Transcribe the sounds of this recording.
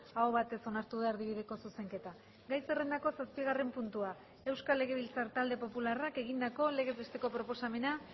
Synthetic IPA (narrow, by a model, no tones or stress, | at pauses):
aoβat̪e̞so̞naɾt̪uðaeɾðiβ̞iðe̞ko̞suse̞ŋke̞t̪a | ɡajse̞re̞nd̪ako̞saspiɣ̞are̞mpunt̪ua | e̞wskalːe̞ɣ̞e̞β̞ilt͡saɾt̪ald̪e̞po̞pularake̞ɣind̪ako̞le̞ɣe̞pest̪e̞ko̞pɾo̞po̞same̞na